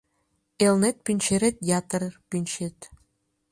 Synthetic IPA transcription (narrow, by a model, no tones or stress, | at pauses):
elnet̪̚pʲinʲt͡ʃʰeɾet̪̚jat̪rpinʲʃet̪